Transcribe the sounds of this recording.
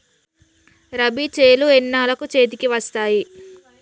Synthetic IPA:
ɾɐbit͡ʃeːluɛnːaːlɐkut͡ʃeːt̪̬ikiʋɐst̪aːji

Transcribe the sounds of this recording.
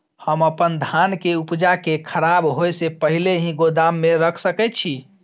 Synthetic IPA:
həməpənd̪ʱankeupd͡ʒakekʰəɾabɦojsepəɦileɦĩɡod̪amːeɾəkʰsəkɛt̪t͡ʃʰi

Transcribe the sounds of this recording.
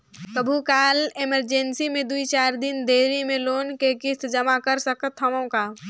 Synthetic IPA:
t̪əbʱukaːlɪməɾd͡ʒẽnsimẽd̪uit͡ʃaːɾd̪ɪnd̪eːɾimẽloːnkekɪt̪d͡ʒɐmakɐɾsɐkət̪ɦɐmõkaː

